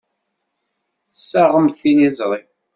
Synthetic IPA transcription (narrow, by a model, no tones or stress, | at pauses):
sːaʁəmθinizˤɾˤi